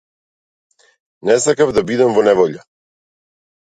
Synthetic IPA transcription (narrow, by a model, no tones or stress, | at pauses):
nɛsakavd̪abid̪ɛmvɔnɛvɔʎa